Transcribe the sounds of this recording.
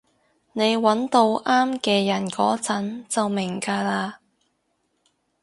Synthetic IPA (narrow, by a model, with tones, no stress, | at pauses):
ne˨˧jwɐ˨˥nt̪o˧wʔaː˥mkɛː˧jɐ˨˩nkɔː˨˥t͡sɐ˨˥nt͡sɐ˨wmɪ˨˩ŋkaː˧laː˧